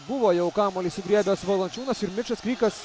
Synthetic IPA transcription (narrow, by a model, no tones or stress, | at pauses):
bʊʋoːjɛʊkɑːmoːlʲiːsʲɪɡɾʲiɛbʲɛsʋɐlˠɐnʲt͡ʃʲuːnɐsɪɾmʲɪt͡ʃɐskɾʲiːkɐs